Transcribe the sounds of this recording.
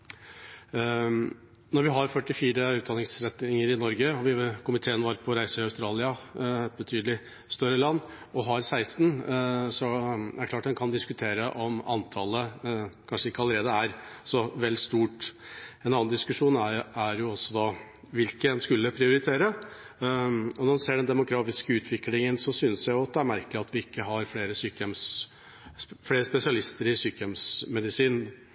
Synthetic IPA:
nɔɾʋɪɦɑɾfœʈːɪfiːɾəʉːt̪̚d̪ɑnɪŋsɾɛt̪nɪŋəɾɪnɔɾɡəɔʋɪkʰʊmɪt̪ʰeːənʋɑɾpʰɔɾæɪsəɪɑʉst̪ɾɑːlɪɑɛt̪̚bət̪ʰyːd̪əlɪ | st̪œɾəlɑnː | ɔɦɑɾsæɪst̪nsɔæ̰kʰlɑːʈ̚d̪ɛnkʰɑnd̪ɪskʉt̪ʰeːɾəʔɔmɑ̰nt̪ʰɑləkʰɑnʂəɪkːəɑləɾeːd̪əæɾsɔʋɛlːst̪uːʈɛnɑːnd̪ɪskʉʂuːnææɾjʊɔsːɔd̪ɑ | ʋɪlkəɛnskʉlːəpʰɾɪʊɾɪt̪ʰeːɾə | ɔnɔɾseːɖɛnd̪ɛmʊɡɾɑːfɪskəʉːt̪ʰʋɪklɪŋənsɔsʏnəsjæɪjʊɑt̪̚d̪ɛæɾmæɾkəlɪɑt̪ʋɪɪkːəɦɑɾfleːɾəsyːkəɛms | fleːɾəspɛsɪɑlɪst̪əɾɪsyːkəjɛmsmɛd̪ɪsiːn

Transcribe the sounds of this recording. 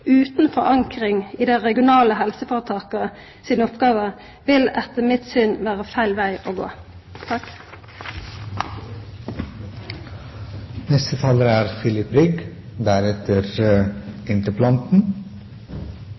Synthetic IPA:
ʉːt̪n̩fɔʁɑŋkʁɪŋiːd̪æʁɛɡɪʊnɑːləɦɛlsəfoːʁət̪ʰɑːkəə | siːnɔpɡɑːʋə | ʋɪlɛt̪ːəmɪt̪sʏnʋæːʁəfæɪlʋæɪʔoːɡo̰ː | t̪ʰɑk | nɛst̪ət̪ʰɑːləɾəæːɾfɪlɪpɾʏɡ | d̪æɾɛt̪əɾ | ɪnt̪əpʰlɑnt̪n̩

